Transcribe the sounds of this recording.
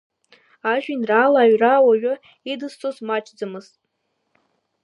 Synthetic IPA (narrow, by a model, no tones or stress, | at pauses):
aʒᶣinraːlaːɥrawaɥʷᶣʊ | idɨst͡sʼozmat͡ʃʰʼd͡zɨmɨz̥tʼ